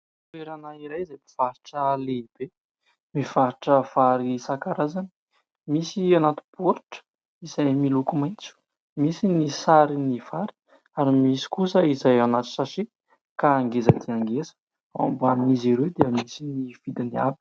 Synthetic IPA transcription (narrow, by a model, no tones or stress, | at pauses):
ueɾanaiɾajizajmiv̥aɾiʈ͡ʂəleib̥e | mivaɾiʈ͡ʂəvaɾisakaɾazani̥ | misianat̪u̥b̥uɾiʈ͡ʂə̥ | izajmilukumajnt͡su̥ | misinisaɾiniv̥aɾi̥ | aɾimisi̥kusəizajanat̪u̥sasi | kaːŋɡezəd̪iaŋɡezə̥ | a̰mbaminiziɾed̪eəmisiniv̥id̪iniabi̥